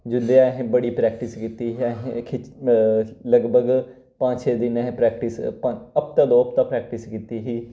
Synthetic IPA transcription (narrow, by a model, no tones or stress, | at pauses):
d͡ʒʊnd̪eaɦẽbəɽiːpɾɛːk̚ʈɪskiːt̪iːɦɦkʰɪ | ləɡbʱəɡ | pãːd͡ʒt͡ʃʰeːd̪ɪnɛɦẽpɾɛːk̚ʈɪspaəp̚t̪ãːd̪oːəp̚t̪ãːpɾɛːkʈɪskiːt̪iːɦiː